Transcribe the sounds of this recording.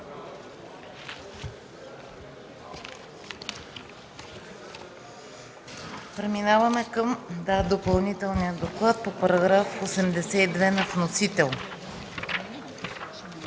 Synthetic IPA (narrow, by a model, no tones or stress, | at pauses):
pɾɛminavɐmɛkɤmd̪ad̪opɐlˠnit̪ɛlˠnijəd̪oklˠat̪̚popɐɾɐɡɾafosɛmd̪ɛsɛid̪vɛnɐfnosit̪ɛlˠ